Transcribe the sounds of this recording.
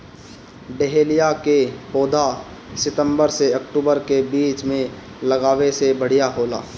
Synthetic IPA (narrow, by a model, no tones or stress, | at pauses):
ɖeɦeːlijakepoːd̪a | sɪt̪ə̃mbəɾseɐkʈuːbəɾkebiːt͡ʃmẽ | lɐɡaːʋesebəɽ̤ijaɦoːla̰ː